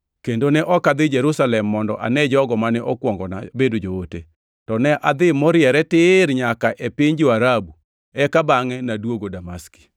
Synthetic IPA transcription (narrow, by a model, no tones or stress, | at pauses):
kendonɛʔɔkad̪ɪd͡ʒɛɾusalɛmːɔndɔ̰ʔa̰nɛd͡ʒɔɡɔmanɛʔɔkwɔŋɡɔna̰bedod͡ʒoote | tɔnɛʔad̪ɪmɔɾjɛɾɛtɪɾɲakaʔepɪɲd͡ʒoaɾabu | ɛkabaŋɛnadwoɡodamaski̥